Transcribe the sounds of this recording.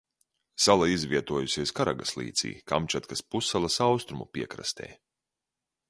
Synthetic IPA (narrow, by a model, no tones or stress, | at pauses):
salˠaizvʲiɛt̪uɔjusʲiɛskaɾa̰ɡaslˠḭːt̪sḭːka̰mt͡ʃat̪kaspusːalˠasawst̪ɾumṵpʲiɛkɾa̰st̪ɛ̰ː